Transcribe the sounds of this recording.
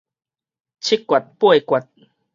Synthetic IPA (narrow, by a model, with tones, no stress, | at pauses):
t͡ɕʰi˦˥kːwa˨t̪̚pwe˦˥˨kwa˨˩t̚